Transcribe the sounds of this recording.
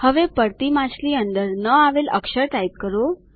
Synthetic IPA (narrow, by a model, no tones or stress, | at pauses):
həʋepəɾt̪imasliːənd̪əɾnəaʋelə̰kʂəɾʈait̪̚kəɾo